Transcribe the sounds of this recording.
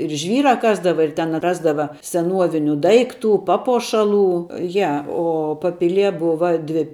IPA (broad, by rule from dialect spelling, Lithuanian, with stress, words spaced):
ɪr ˈʒʲʋʲiːrɐ ˈkɑːzdɐʋɐ ɪr tʲɛn ˈrɑːzdɐʋɐ sʲɛˈnuɔʋʲɪnʲʊ ˈdɐɪkˌtʊ ˈpɑːpuɔʃɐˌlˠuː ˈjɛ ˈoː pɐˈpʲɪlʲiɛ ˈbʊʋɐ ˈdʲʋʲɪ